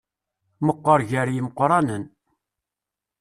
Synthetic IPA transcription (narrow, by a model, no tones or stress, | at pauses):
məqːəɾʝəɾjiməqɾˤɑnən